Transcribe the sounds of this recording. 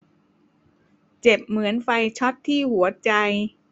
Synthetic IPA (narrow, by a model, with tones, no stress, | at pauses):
t͡ɕe˨˩p̚mɯ˩˦ənfa˧jt͡ɕʰɔ˦˥t̪ʰːiː˥˩hu˩˦ɐt͡ɕa˧j